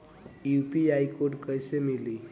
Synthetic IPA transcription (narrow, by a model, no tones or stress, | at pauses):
jupiajkoʈkəjsemili